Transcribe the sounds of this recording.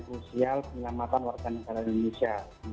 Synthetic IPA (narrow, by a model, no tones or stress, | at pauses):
kɾusialpəɲəlamat̪anwarɡanəɡalaindonesia